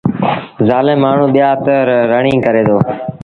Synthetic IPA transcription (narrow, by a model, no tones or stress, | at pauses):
zaːlɪmːaːɳ̤ũːɓɪjaːt̪əɾɾəɳĩːkəɾeːd̪oː